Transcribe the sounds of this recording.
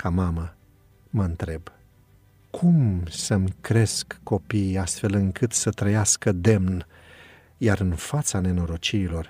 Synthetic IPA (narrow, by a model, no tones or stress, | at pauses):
kʰamamə | məɨnt̪ɾe̞b | kʰumsəmkɾe̞skːo̞pijast̪fe̞lɨŋkʰɨt̪sət̪ɾəjaskəd̪e̞mn | jaɾɨnfat̪sane̞no̞ɾo̞t͡ʃiɾilo̞r